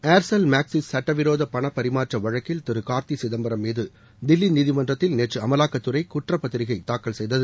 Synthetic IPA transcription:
eːɾsɐlmaːksɪsːɐʈːɐʋɪɾoːðɐpɐɳɐpːɐɾɪmaːʈrɐʋɐɻɐkːɪlt̪ɛɾɯkaːɾt̪isɪðɐmbɐɾɐmːiːðɯ | d̪ɪlːiniðɪmɐndrɐt̪ːɪlneːʈrɯɐmɐlaːkːɐt̪ːɯɾɐɪkʊʈrɐpːɐt̪ːɪɾɪɣɐɪt̪aːkːɐɭsɛjðɐðɯ

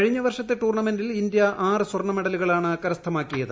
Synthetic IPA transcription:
kɐɻiɲːɐʋɐrʂɐt̪ːeʈuːrɳɐme̞ndilind̪jɐʔaːrɨswɐrɳɐmeɽɐluɣɐɭaːɳɨɐkːɐɾɐst̪ʰɐmaːkːijɐðɨ

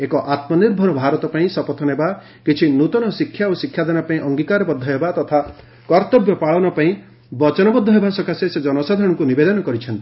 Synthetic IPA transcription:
ekɔʔat̪mɔniɾbʱɔɾɔbʱaɾɔt̪ɔpaĩsɔpɔt̪ʰɔneba | kit͡ʃʰinut̪ɔnɔsikʰːjaosikʰːjad̪anapaĩʔɔŋɡikaɾɔbɔd̪ʱːɔɦebat̪ɔt̪ʰa | kɔɾt̪ɔbjɔpaɭɔnɔpaĩ | bɔt͡ʃɔnɔbɔd̪ʱːɔɦebasɔkasesed͡ʒɔnɔsad̪ʱɔɽ̃ɔŋkunibed̪ɔnɔkɔɾit͡ʃʰɔnt̪i

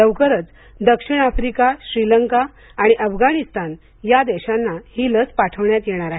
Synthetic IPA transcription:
əʋkəɾət͡s | d̪əkʂiɳ̃afɾikaɕɾiləŋkaː | ɽ̃iʔəfɡaɽist̪an | jad̪ɛɕanːahiːlət͡spaʈʰəʋɳjat̪jeɽ̃aɾaɦ

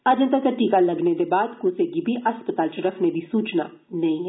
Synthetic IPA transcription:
əd͡ʒə̃nt̪ak̪əʈiːkaləɡned̪eːbaːd̪kʊseːɡiːbʱiːəspət̪aːlt͡ʃəɾəkʰned̪iːsuːt͡ʃna̰ː | nəĩːɦɛ

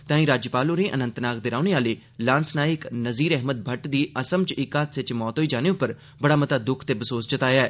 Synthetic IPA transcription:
t̪ãːĩːɾaːd͡ʒəpaːloːnẽːʔənə̃nt̪naːk̚d̪ɪɾaːʊneaːleː | lãːnsnaːɪknəziːɾɛːɦməd̪̚bʱəʈd̪iːəsəmt͡ʃɪkaːt̪sɪt͡ʃmɔːt̪ɦoːiːd͡ʒaːneːʊpːəɾ | bəɽaːmət̪aːd̪ʊkʰt̪eːbəsoːsd͡ʒət̪aːjaːɛː

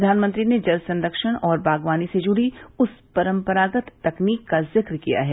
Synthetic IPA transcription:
d̪ʱaːnmə̃nt̪ɾined͡ʒɐlsɐ̃nd̪əkʃəɽ̃ɔːɾbʱaːɡʋaːnised͡ʒʊɽiʊspɐɾə̃mpəɾaːɡət̪ːɐkniːkːazɪkɾkija̰ɦɛː

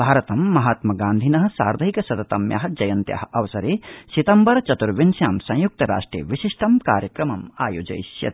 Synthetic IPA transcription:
bʱaːɾɐt̪ɐmːɐɦaːt̪mɐɡaːnd̪ʱinɐɦɐ̆saːɾd̪ʱɐɦikɐsɐt̪ɐt̪ɐmja̰ːɦɐ̆d͡ʒɐjɐnt̪ja̰ːɦɐɐʋɐsɐɾeːsit̪ɐmbɐɾt͡ʃɐt̪uɾʋinsjaːmsɐ̃j̃juk̚t̪ɐɾa̰ːʂʈɾḛːʋiʃiʂʈʰɐmkaːɾjɐkɾɐmɐmaːjoːd͡ʒɐ̰jsjɐ̰t̪

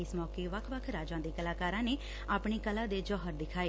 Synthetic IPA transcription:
ɪsmɔːkeːʋəkʰʋəkʰɾaːd͡ʒãːd̪iːkəlaːkaːɾãːneː | aːpɳiːkəlãːd̪eːd͡ʒɔːɦəɾd̪ɪkʰaːeː

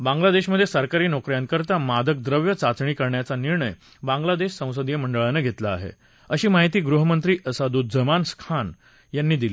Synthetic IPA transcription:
bãŋɡlad̪eɕməd̪ʱːjesəɾkaɾiːnokɾjãnkəɾt̪amad̪ək̚d̪ɾəʋjət͡sat͡sɳiːkəɾɳjat͡saniɾɳəj | bãŋɡlad̪eɕsə̃w̃səd̪jəməɳɖəɭanəɡʱet̪laːɦḛ | əɕiːmaɦit̪iːɡɾuɦəmənt̪ɾiːʔəsad̪uːd͡zəmanskʰan | janːiːd̪ili

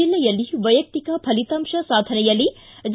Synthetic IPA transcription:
ilːɐjɐlːiʋɐjɐk̚t̪ikɐpʰɐlit̪ɐmʃɐsaːd̪ʱɐnɐjɐlːi | d͡ʒ

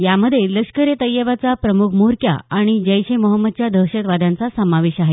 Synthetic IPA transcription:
jaməd̪ʱːjeləkʂkəɾjet̪əjːəʋat͡sapɾəmukʰmuɾkja̰aɽ̃id͡ʑəjɕeməɦəmːəd̪t͡ɕjad̪ʱəɦɕət̪ʋad̪ʱãnt͡sasəmaʋeɕaɦe

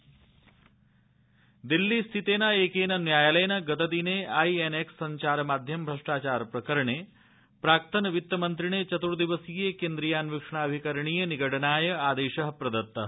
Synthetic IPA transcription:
d̪ilːist̪ʰit̪eːnɐeːkeːnɐnjaːjɐlɐjɐnɐɡɐt̪ɐd̪ineːɐjeneksːɐɲt͡ʃaːɾɐmaːd̪ʱjɐmbʱɾɐʂʈaːt͡ʃaːɾɐpɾɐkɐɾɐɳeː | pɾaːk̚t̪ɐnɐʋit̪ːɐmɐnt̪ɾiɳeːt͡ʃɐt̪uɾd̪iʋɐsijeːkeːnd̪ɾijaːnʋikʂɐɳaːɐbʱikɐɾɐɳijɐniɡɐʈɐnaːjɐaːd̪eːʃɐɦɐpɾɐd̪ɐt̪ːɐ

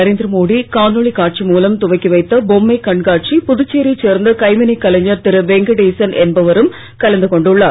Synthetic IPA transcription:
ɐɾeːnd̪ɾɐmoːɽikaːnɔɭikaːʈ̚t͡ʃimuːlɐmt̪ʊʋɐɪkːɯʋɐɪt̪ːɐbɔmːɐɪkɐɳɡaːʈ̚t͡ʃipʊðʊt͡ʃːeːɾit͡ʃːeːɾnd̪ɐkɐɪmɪnɐɪkːɐlɐɲːɐɾt̪ɪɾɯʋɛŋɡɐɽeːsɐnʔɛnbɐʋɐɾɯm | kɐlɐnd̪ɯkɔɳɖɯɭːaː

